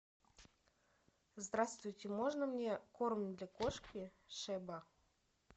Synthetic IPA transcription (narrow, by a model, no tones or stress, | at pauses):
zd̪ɾast̪vʊjtʲɪmoʐnəmnʲekormʲnʲd̪lʲakoʂkʲɪ | ʂɛba